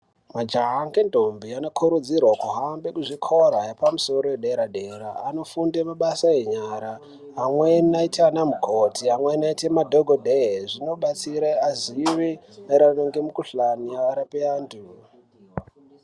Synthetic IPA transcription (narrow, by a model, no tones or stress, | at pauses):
mad͡ʒaɦaŋɡendʱombiano̞kʰuɾud͡zirwakuɦambekuʐikʰo̞ɾajepamuso̞ɾojeɗeɾaɗe̞ɾaːno̞fundemaɓasajeɲaɾa | ɦamwenaitʰanamukʰotʰiamwenaitemadʱoɡʱodʱeʐino̞ɓat͡siɾeaziʋi | neɾanoŋɡemukuɬaniaaɾapeaːndu